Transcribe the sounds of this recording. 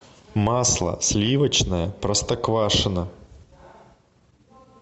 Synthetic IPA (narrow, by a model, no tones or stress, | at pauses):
maslˠɐ̰sʲlʲivət͡ɕnəjəpɾɐst̪ɐkvaʂɨnɐ